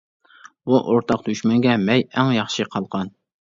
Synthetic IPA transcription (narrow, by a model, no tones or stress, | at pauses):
buʔoɾt̪ʰɑq̚t̪ʰyʃmɛŋɡʲɛmɛjɛŋjɑχʃɨqʰɑlˠqɑn